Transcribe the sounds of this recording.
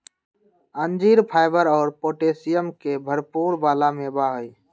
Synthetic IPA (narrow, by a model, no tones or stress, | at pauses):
ənd͡ʒiːɾpʰaːɪbəɾɔːɾpoːʈeːsɪjəmkebʱəɾpuːɾbaːlamẽbaːɦəi